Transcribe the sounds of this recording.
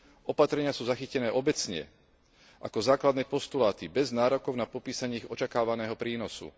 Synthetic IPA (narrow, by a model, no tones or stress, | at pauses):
ɔpat̪ɾɛɲɪasuːzaxicɛnɛːʔɔbɛt͡sɲɛ̰ | ʔa̰kɔzaːklad̪nɛːpɔst̪ulaːt̪ibɛznaːɾɔkɔʊnapɔpiːsaɲɛiɣɔt͡ʃakaːʋanɛːɦɔpɾiːnɔsṵ